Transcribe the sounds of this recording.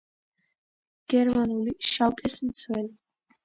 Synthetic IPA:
ɡ̥ɛɾmanuliʃalˠkʼɛsmt̪sʰwɛli

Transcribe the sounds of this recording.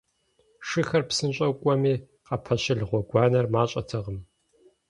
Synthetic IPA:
ʂɨxɐrpsɨnɕʼɐkʷʼɔmiː | qɐpʰɐɕɪɮʁʷɔɡʷɑːnɐrmaːɕʼɐtʰɐʁəm

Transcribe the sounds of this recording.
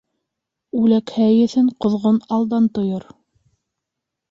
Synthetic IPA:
ʉlækhæjɘ̆θɘɴqŏðʁonɑlˠd̪ɑnt̪ŏjoɾ

